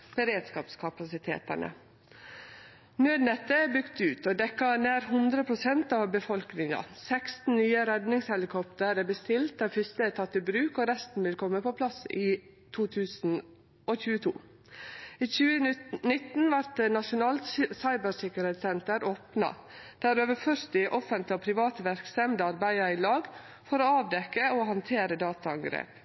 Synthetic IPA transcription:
b̥əɾeːd̪skɑ̰ːpskʰɑpɑsɪt̪ʰḛːt̪ə̰ɳʔə̰ | nøːd̪nɛt̪əæbʏkt̪ʉːt̪oːd̪ɛkːɑnæːɾhʉnd̪ɾəpʰɾʊsɛnt̪ɑːʋbəfɔlknɪŋɑ̰sɛkst̪n̩nyːəɾɛd̪nɪŋshɛlɪkʰɔpt̪əɾæːbəst̪ɪlt̪ɑːʋfʏst̪əæːt̪ʰɑt̪ːɪbɾʉːkoːɾɛst̪n̩ʋɪlkʰɔmːəpɔpʰlɑsiː | t̪ʰuːt̪ʰʉːsn̩ | ʔoːçʉːət̪ʰṵː | iːçʉːənɪt̪n̩ʋɑɾt̪nɑʂʊnɑːlt̪sɑɪbəsɪkəɾɛːt̪sɛnt̪əɾʔoːpnɑ̰ | d̪̥æɾøːʋəfœɾt̪ɪʔɔfənt̪lɪoːpʰɾɪʋɑːt̪əʋæɾksɛmd̪əɑɾbæɪəɾiːlɑːɡ | fɔɾoːɑːʋd̪ɛkːəohɑnt̪ʰeːɾəd̪ɑːt̪ɑɑŋɡɾḛːp

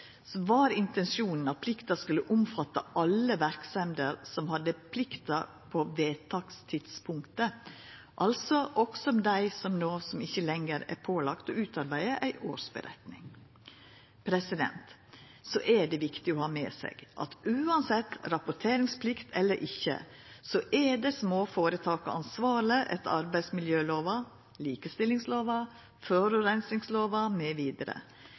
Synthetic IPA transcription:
sʋɑːɾɪnt̪ɛnsjuːnn̩ɑt̪̚pʰlɪkt̪ɑskʉlːəʔʊmfɑt̪ːɑ̰ʔɑlːəʋæɾksɛmd̪əɾsɔmhɑd̪əpʰlɪkt̪ɑ | pʰoʋeːt̪ʰɑːkst̪ʰɪd̪spʰʊŋkt̪ə | ʔɑlsɔʔɔksɔmd̪æɪsɔmnoːsɔmɪçːəlɛŋəɾæ̰ɾpʰoːlɑkt̪ɔʉːt̪ɑɾbæɪd̪əʔæɪʔo̰ːɾʂbə̰ɾɛ̰t̪nɪ̰ŋ | pʰɾɛsɪd̪ɛ̰nt̪ | sɔʔɛɖɛʋɪkt̪ɪɔhɑːmḛːsɛ̰ːɡ̥ʔɑ̰t̪ʉːɑnsɛt̪ːɾɑpʊʈʰeːɾɪŋspʰlɪkt̪ʰɛlːəɾʔɪçːə̰ | sɔʔɛɖɛsmoːfoːɾət̪ʰɑːkəɑ̰nsʋɑːləʔɛ̰t̪ɑ̰ɾbæɪsmɪljøːloːʋɑ | liːkəst̪ɪlːɪŋsloːʋɑ | føːɾʉɾæɪnsɪŋsloːʋɑmɛʋiːd̪əɾə̰

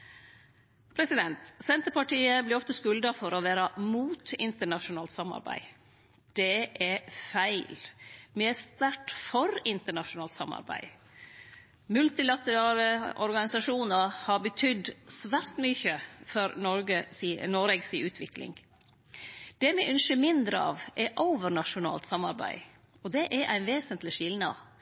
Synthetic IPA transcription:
pʰɾɛsɪd̪ɛnt̪sɛnt̪əɾpɑʈiːəblɪːɾɔft̪əskʉld̪ɑfɔɾɔʋæːɾɑmuːt̪ɪ̰nt̪əɳɑʃʊnɑːlt̪sɑmɑ̰ɾbæ̰ɪ | d̪̥ɛʔɛfæɪlmɪæst̪æʈfɔɾɪnt̪əɳɑʃʊnɑːlt̪sɑ̰mɑ̰ɾbæ̰ɪ | mʉlt̪ɪlɑt̪əɾɑːləɔɾɡɑnɪsɑʂuːnəɾhɑɾbət̪ʰʏd̪sʋæːɾt̪mʏçəfɔɾnɔɾɡəsinoːɾɛɡsiʔʉːt̪ʰʋɪklɪ̰ŋ | d̪̥ɛmɛʔʉnʃəmɪnd̪ɾəɑ̰ːʋʔɛɾʔoːʋəɾɳɑʂʊnɑ̰ːlt̪sɑmːɑ̰ɾbæ̰ɪ | ɔd̪ɛʔæɾʔæɪnʋeːsənt̪lɪʃɪlnɑ̰

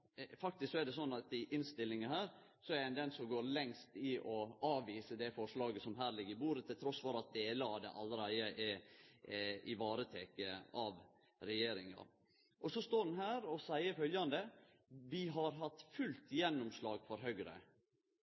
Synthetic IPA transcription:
fɑk̚t̪ɪsksɔɛd̪ɛsɔnːɑt̪ɪʔɪnst̪ɪlːɪŋɑhæːɾ | sɔɛɾɪnd̪ɛnsɔmɡoːɾlɛŋst̪ɪʔɔɑːʋiːsəd̪ɛfɔʂlɑːɡəsɔmɦæːɾlɪɡəɾɪbuːɾət̪ʰɪlt̪ʰɾɔsfʋɔɾɑt̪̚d̪eːləɑʋd̪ɛ̰ʔɑlːəɾæɪəʔɛ | ɪʋɑːɾət̪ʰeːkəɑʋ | ɾɛjeːɾɪŋɑ̰ | ʔɔsɔst̪oːɖn̩ɦæːɾɔsæɪəɾfœljɑnd̪ə | ʋɪɦɑɾɦɑt̪ːfʉlt̪jɛnːɔmslɑːɡfɔɾɦœɡɾə̰

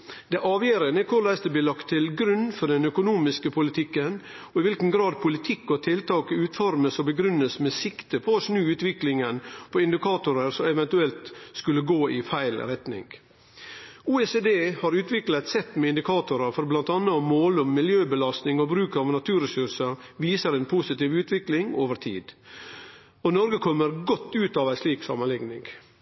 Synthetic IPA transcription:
d̪̥ɛʔɑːʋjeːɾənəkʰʊɾlæɪsd̪əblɪːlɑkt̪ʰːɪlɡɾʉnːfɔɖɛnœkʊnuːmɪskəpʰʊlɪt̪ʰɪkːən | ɔɪʋɪlkən̩ɡɾɑːd̪̚pʰʊlɪt̪ʰɪkːɔt̪ʰɪlt̪ʰɑːkəʉːt̪fɔɾməsɔbəɡɾʉnːəsmɛsɪkt̪əpʰɔɔʂnʉːʉːt̪ʋɪklɪŋənpʰɔɪnd̪ɪkʰɑːt̪ʊɾəɾsɔɛʋɛnt̪ʉɛlt̪skʉlːəɡoːɪfæɪlɾɛt̪nɪ̰ŋɡ | uːɛseːd̪eːhɑɾʉːt̪ʋɪklɑæɪt̪sɛt̪ːmɛɪnd̪ɪkʰɑːt̪ʊɾɑfɔɾblɑnt̪ɑnːəmːoːlʊmːɪljøːbəlɑst̪nɪŋɔbɾʉːkɑʋnɑt̪ʰʉːɾɛsʉɾsəɾʋiːsəɾɛːnpʰusɪt̪iːʋʉːt̪ʋɪklɪŋo̰ːʋəɾt̪ʰḭːd̪ | ɔnɔɾɡəkʰɔmːəɾɡɔt̪ːʉːt̪ɑːʋæɪsliːksɑ̰mənlɪŋnɪŋ

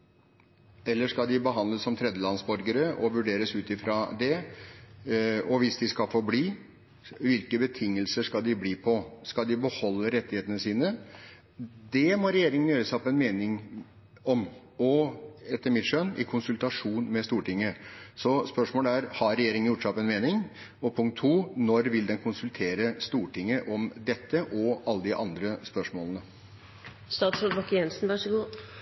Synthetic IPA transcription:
ɛlːəʂkɑld̪ɪbəɦɑnd̪ləssɔmt̪ʰɾɛd̪jəlɑnsbɔɾɡəɾəʔɔʋʉɖeːɾəsʉːt̪ɪfɾɑd̪ɛ | ɔʋɪsd̪ɪskɑfɔbliː | ʋɪlkəbət̪ʰɪŋːəlsəʂkɑld̪ɪbliːpʰɔskɑd̪ɪbəhɔlːəɾɛt̪ːɪheːt̪ənəsiːnə | d̪ɛmɔɾɛjeːɾɪŋənjøːɾəsɑpʰɔɛnmeːnɪŋ | ɔm | ɔɛt̪ːəɾmɪt̪ʂœnɪ̰kʰʊnsʉlt̪ɑʂuːnmɛst̪uːʈɪŋːəsɔspœʂmoːləæɾhɑɾɛjeːɾɪŋənjʊʈːsɑpɔɛnmeːnɪŋ | ɔpʰʊŋkt̪̚ʰːuːnɔɾʋɪld̪ɛnkʰʊnsʉlt̪ʰeːɾəst̪uːʈɪŋːəʔɔmd̪ɛt̪ːəʔɔɑlːəd̪ɪʔɑnd̪ɾəspœʂmoːlənə | st̪ɑːt̪sɔʋɑkɪɛnsn̩ʋɑʂəɡuː

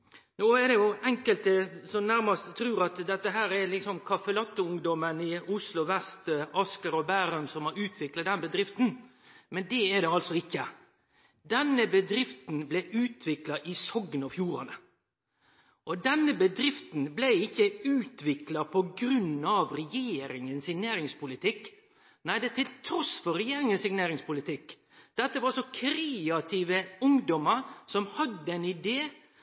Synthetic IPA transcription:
noːɛɾd̪ɛjʊɛŋkəlt̪əsɔnæɾmɑst̪t̪ʰɾʉːɾɑt̪d̪ɛt̪ːəɦæːɾɛɾlɪksɔmkʰɑfəlɑt̪ːʊʊŋd̪ɔmənɪʊslʊʋɛst̪ɑskəɾɔbæːɾœmsɔmɑʉːt̪ʰʋɪklɑt̪d̪ɛnbəd̪ɾɪft̪n̩ | mɛnd̪ɛɛd̪ɛɑlsɔɪkːə | d̪ɛnːəbəd̪ɾɪft̪nblɛʔʉːt̪ʰʋɪklɑʔɪsɔɡːnɔfjuːɾɑnə | ʔɔd̪ɛnːəbəd̪ɾɪft̪n̩blæɪɪkːəʉːt̪ʰʋɪklɑpʰɔɡɾʉnːɑʋɾɛjeːɾɪŋənsɪŋneːɾɪŋspʊlɪt̪ʰɪk | næɪd̪ɛt̪ʰɪlt̪ʰɾɔsfɔɾɛjeːɾɪŋənsɪŋneːɾɪŋspʊlɪt̪ɪkː | d̪̥ɛt̪ːəʋɑɾsɔkʰɾeɑt̪ʰiːʋəʊŋd̪ɔməɾsɔmhɑd̪əɛɪnɪd̪eː

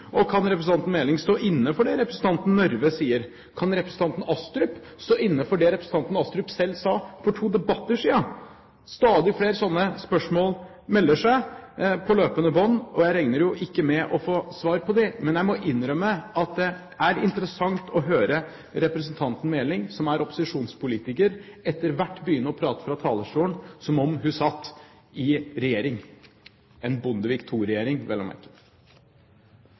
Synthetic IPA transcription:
ʔɔkʰɑnɾɛpɾəsn̩ɑnt̪n̩meːlɪŋst̪oːʔɪnːəfɔɖɛɾɛpɾəsən̩t̪ʰɑnt̪n̩nːɔɾʋəsiːəɾ | kʰɑnɾɛpɾəsn̩t̪ʰɑnt̪n̩ɑst̪ɾʉp | st̪oːɪnːəfɔɖɛɾɛpɾəsn̩t̪ɑnt̪n̩ɑst̪ɾʉpsɛlːsɑːfɔʈʰuːd̪ɛbɑt̪ːəʂiːɑ | st̪ɑːd̪ɪfleːɾsɔnːəspœʂmoːl | mɛlːəʂæɪpʰɔløːpənəbɔnːɔjæɪɾɛŋnəɾjʊʔɪkːəmɛʔɔfoːsʋɑːɾpʰɔd̪ɛmɛnjæɪmɔʔɪnːɾœmːəɑt̪̚d̪ɛ | ʔæɾɪnt̪əɾəsɑŋt̪ʰɔɦøːɾə | ɾɛpɾəs̬nt̪ʰɑnt̪n̩meːlɪŋsɔmæɾɔpʊ̥sɪʂuːnspʰʊliːt̪ɪkəɾɛt̪ːəɾʋæʈːbəjʏnːəɔpʰɾɑːt̪ə̥fɾɑt̪ʰɑːləʂʈuːənsɔmɔmɦʉsɑt̪ː | ɪɾɛjeːɾɪŋ | ɛnbʊnd̪əʋikt̪ʰuːɾɛjeːɾɪŋʋɛlə̰mæ̰ɾkə

